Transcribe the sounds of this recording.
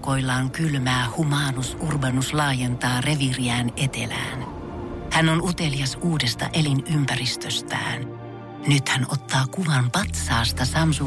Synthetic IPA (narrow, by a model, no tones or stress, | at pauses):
ko̞ilːɑːŋkylmæːhumɑːnusurbɑnuslɑːje̞nt̪ɑːre̞ʋiriæːne̞t̪e̞̰læ̰ːn | hænonut̪e̞liɑsuːde̞st̪ɑ̰ʔelinympærist̪øst̪æ̰ːn | nyt̪hænot̪ːɑːkuʋɑmpɑt̪sɑːst̪ɑsɑmsu